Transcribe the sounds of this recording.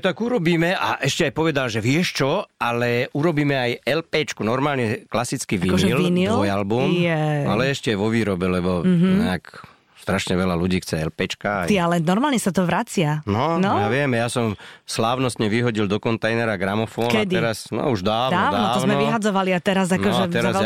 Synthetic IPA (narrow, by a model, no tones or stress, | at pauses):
t̪aɡuɾɔbiːmɛaʔɛʃcɛajpɔʋɛd̪alʒɛʋɪɛʃt͡ʃɔalɛuɾɔbiːmɛajɛlpɛːt͡ʃkunɔɾmaːlɲɛklasit͡skiʋikɔʒɛilnilʋɔjalbumjɛa̰lɛɛʃcɛajʋɔʋiːɾɔbɛlɛbɔɦɲɛ̰ak | st̪ɾaʃɲɛʋɛlaluɟiːxt͡sɛɛlpɛːt͡ʃkaaialɛnɔɾmaːlɲɛsat̪ɔʋɾat͡sɪanɔnɔjaʋɪɛmjasɔmslaːʊnɔst̪ɲɛʋiɦɔɟild̪ɔkɔnt̪ajnɛɾaɡɾamɔfɔːnkɛadt̪iɛɾasnɔ̰uʒd̪aːd̪aːʋd̪naɔt̪ːɔznmɛʋiɦad͡zɔʋaliat̪ɛɾazankɔʒɛɛɾaz